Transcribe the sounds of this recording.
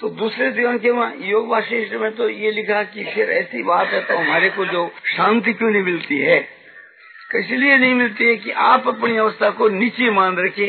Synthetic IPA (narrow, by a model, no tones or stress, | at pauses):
t̪od̪uːsɾet̪ãːkʰemãjoːɡbaːʃeːʃt̪ɾəmẽt̪ojelɪkʰakipʰɪɾɛ̰ːsibaːt̪ɦɛt̪oɦɐmaːɾekod͡ʒoːʃãːnt̪ikjõnɐɦĩmɪlt̪iɦɛː | kɪslienɐɦĩmɪlt̪iɦɛkiʔaːpɐpniɐʋəst̪ʰakoniːt͡ʃemãːnɾɐkʰẽː